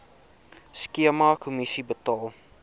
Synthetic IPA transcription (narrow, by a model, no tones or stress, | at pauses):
skiəmakʰumisibətɔlˠ